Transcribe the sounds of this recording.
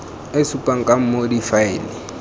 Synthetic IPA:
esupʼaŋ̩kʼam̩modifaiːnɪ

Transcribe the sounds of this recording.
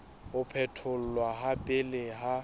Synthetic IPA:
ʊpʰɛtʰʊl̩lwaɦapʼɪleɦa

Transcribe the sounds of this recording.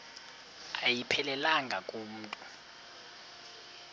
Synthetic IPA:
ajipʰɛlɛlaŋɡʱakʼum̩ːtʼu

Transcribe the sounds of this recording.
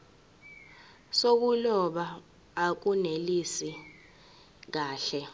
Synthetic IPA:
sok̬ulɔɓaː | k̬unelisi | k̬aːɬɛ

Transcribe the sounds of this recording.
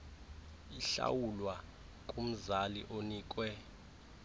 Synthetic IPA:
iɬa̰wulwa | kʼum̩zaliʔoniːk̬ʼwɛ

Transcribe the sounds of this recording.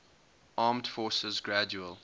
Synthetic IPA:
ʔɑːmd̥fɔːˑsəzɡɹad͡ʒuəlˠ

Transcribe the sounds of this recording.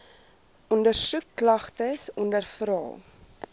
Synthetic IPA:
ʔɔndərsukːlɐχtəsɔndərfɾɑ̰ːlˠ

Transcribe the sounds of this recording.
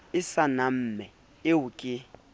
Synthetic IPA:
ɪsanam̩ːmɛ | ɪwukʼɪ

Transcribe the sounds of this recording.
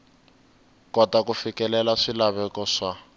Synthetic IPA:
kɔtakufikɛlɛlaʂilaβɛkɔʂa

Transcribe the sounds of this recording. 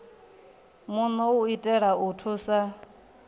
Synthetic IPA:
munɔuitʼɛɺautʰusa

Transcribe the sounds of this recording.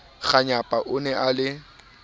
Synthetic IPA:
ɣaɲapʼaʔʊnɛʔalɪ

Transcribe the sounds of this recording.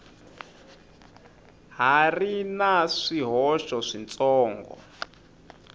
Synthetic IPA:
ɦarinaʂiɦɔʃɔʂint͡sʼɔːŋɡɔ̰

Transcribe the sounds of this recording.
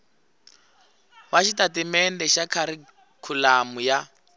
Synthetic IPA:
waʃitatimɛndɛʃakʰaɾi | kʰulamuja

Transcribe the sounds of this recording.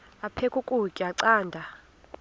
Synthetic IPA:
apʰekʼukʼukʼiaǀaːndʱa

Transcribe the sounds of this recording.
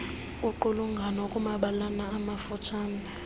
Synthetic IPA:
uǃuluŋɡʱanokʼumaɓalanaːmafut͡ʃʰaːna

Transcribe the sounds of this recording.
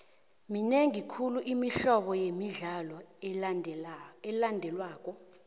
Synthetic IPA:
mineŋikʰuluʔimiɬɔɓɔjemiɮalɔ | ɛlandʱɛlwaːk̬ʼɔ

